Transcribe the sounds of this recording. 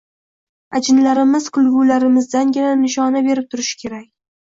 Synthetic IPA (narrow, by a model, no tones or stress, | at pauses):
ad͡ʒɪnlaɾɪmɪzqʰʊlˠɡulaɾɪmɪzd̪anɡʲananɪʃɒnabe̞ɾɪp̚t̪ʰʊɾɪʃɪ̥kʲʰe̞ɾakʲ